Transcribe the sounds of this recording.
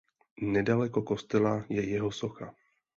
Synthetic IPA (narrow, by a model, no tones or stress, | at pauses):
nɛdalɛko̞ko̞st̪ɛlajɛjɛɦo̞so̞xa